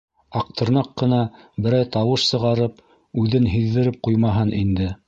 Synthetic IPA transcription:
ɑq̚t̪ɤ̆ɾnɑqːɤ̆nɑbɘ̆ɾæjt̪ɑwɤʃsɤ̆ʁɑɾɤp̚ | ʉðɘnɦiðːɘ̆ɾɘp̚qujmɑɦɤnʔind̪ɘ

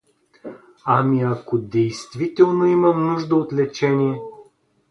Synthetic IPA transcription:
amiakod̪ɛjst̪vit̪ɛlˠnoiməmnuʒd̪əot̪lɛt͡ʃɛnijɛ

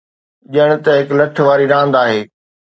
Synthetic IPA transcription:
ʄɐɽ̃ʊ̆t̪ɐɦɪklɐʈ̆ʰʋaːɾiɾãːnd̪aːɦeː

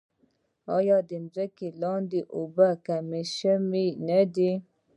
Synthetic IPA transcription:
ɔ̰jɑdənzəkelɑndiʔobakameʃəminəde

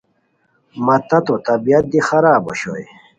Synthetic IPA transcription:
mɐt̪ɐt̪ot̪ɐbijɐt̪̚d̪ixɐɾaːboɕo̰j

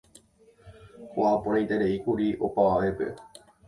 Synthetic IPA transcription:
hoapoɾãĩt̪eɾeikuɾiʔo̞paʋaʋe̞pe̞̰

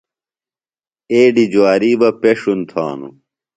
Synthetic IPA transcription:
eːɖid͡ʑwaːɾiːbɐpeʂunt̪ʰa̰ːnṵ

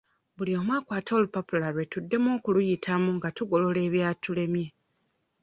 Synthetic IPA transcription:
bulio̞ːmwaːkwaːto̞lupopulaɾwe̞tudːe̞mo̞ːkulujitʰamuŋɡatuɡo̞lo̞le̞ːβjaːtule̞mje̞

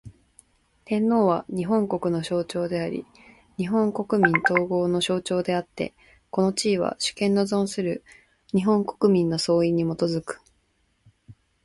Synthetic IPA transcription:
t̪ẽ̞nːo̞ːβaɲ̟iɦõ̞ŋko̞kɯ̟no̞ɕo̞ːt͡ɕo̞ːd̪e̞aɾʲḭ | ɲ̟iɦõ̞ŋko̞kɯ̟mʲĩnt̪o̞ːɡo̞ːno̞ɕo̞ːt͡ɕo̞ːd̪e̞at̪ːe̞̰ | ko̞no̞t͡ɕiːβa̰ɕɨ̥kẽ̞nːo̞zõ̞ɰ̃sɨɾɯ̟ | ɲ̟iɦõ̞ŋko̞̥kɯ̟mʲĩnːo̞so̞ːiɲ̟ːimo̞t̪o̞zɨkɯ̟̥

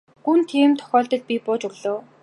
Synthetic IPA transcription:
ɡunt̪ʰiːmt̪ʰɔ̥xʲɔːɮt̪ə̆ɮpipʊːt͡ɕɵɣɮoː

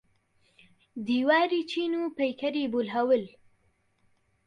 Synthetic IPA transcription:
d̪iwɑːɾit͡ʃinupejkaɾibolɦawəl

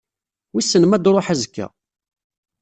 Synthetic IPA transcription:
wisːənmæd̪ɾˤoħæzkːæ̰

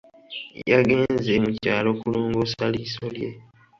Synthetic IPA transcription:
jaɡe̞ːnzemucaːlo̞kuluːŋɡosalisolje̞̰

